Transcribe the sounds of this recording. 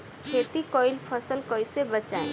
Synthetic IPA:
kʰet̪ikɔjlpʰəsəlkɔjsebət͡ʃae

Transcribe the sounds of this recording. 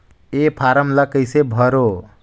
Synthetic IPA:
epʰaɾəmləkəjsebʱʌɾo

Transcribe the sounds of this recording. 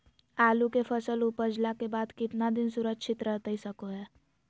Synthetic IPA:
aːlukefʰəsəlupəd͡ʒlakebaːd̪kɪt̪nad̪ɪnsʊɾəkːʃɪt̪ɾəɦt̪əisəkoɦɛː

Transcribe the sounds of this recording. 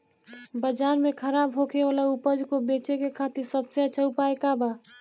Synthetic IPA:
bəd͡ʒaːɾmẽkʰəɾaːbɦokʰeʋaːlaupəd͡ʒkobeːt͡ʃekekʰaːt̪ɪɾsəbseət͡ʃʰəupaːekaba

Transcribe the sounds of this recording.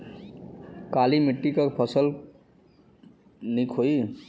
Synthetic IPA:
kalimiʈːikʌkpʰʌsəl | nikʰoi

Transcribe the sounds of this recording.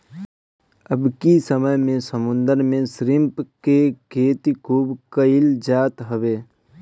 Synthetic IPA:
əbkisəməjmẽsəmʊ̃nd̪əɾmẽsɾɪmpkekʰeːt̪ikʰuːbkəɪld͡ʒaːt̪ɦəʋeː

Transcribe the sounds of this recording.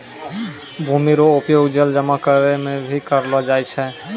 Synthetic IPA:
bʱumiɾoopjoɡd͡ʒeld͡ʒɔmakaɾemebʱikaɾload͡ʒajt͡ʃʰe

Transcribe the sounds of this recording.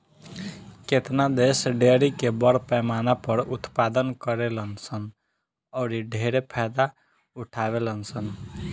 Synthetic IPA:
ket̪nad̪esɖeɾikebəɾpɛːmanapəɾut̪pad̪ənkəɾelənsʰən | ɔːɾiɖʱeɾepʰɛd̪a | uʈʰabelənsən

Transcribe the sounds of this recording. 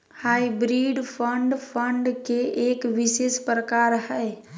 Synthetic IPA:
hajbɾiɖpʰəɳɖpʰəɳɖkeekʋisespɾəkaɾɦɛɪ

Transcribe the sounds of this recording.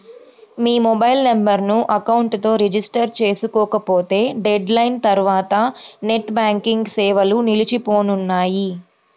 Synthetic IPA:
miːmɔbɐjlnɐmbɐɾnuʔɐkɐwuɳʈt̪o̞ːɾid͡ʒisʈɐɾt͡ʃe̞ːsukɔːkɐpoːt̪e̞ːɖeɖlɐjnt̪ɐɾuʋaːt̪ɐne̞ʈbaːŋkiŋɡsɛːʋɐlunilit͡ʃipo̞ːnunːaːji

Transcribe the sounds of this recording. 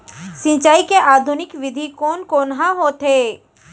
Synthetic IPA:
sɪ̃t͡ʃaːikeʔaːd̪ʱʊnɪkʋɪd̪ʱikoːnkoːnɦãɦoːt̪eː

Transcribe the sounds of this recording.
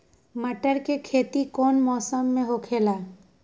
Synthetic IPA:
məʈəɾkekʰeːt̪ikoːnmɔːsəmːẽɦokʰeːla

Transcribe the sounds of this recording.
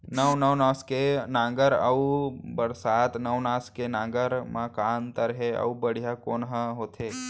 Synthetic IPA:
nəʋnəʋnaːskenãːŋɡəɾə̰ubəɾsaːt̪nəʋnãːskenãːŋɡəɾmãkaːnt̪əɾɦeɐ̰ubəɽ̤ijakoːnɦəɦoːt̪ʰeː

